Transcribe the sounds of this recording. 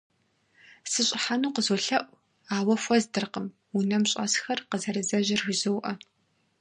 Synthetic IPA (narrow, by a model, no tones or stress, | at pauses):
sɨɕʼɪħanuːqəzoɬɐʔʷ | aːwɐfʷɔzdɨrqəm | unɐmɕʼɐ̰sxɐrqəzɐɾɨzɐʑɪrxɪzɨwʔɐ